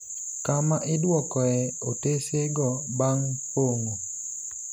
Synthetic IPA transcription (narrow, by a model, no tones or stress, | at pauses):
kamaʔɪdwɔkɔɛoteseɡɔbaŋpoŋo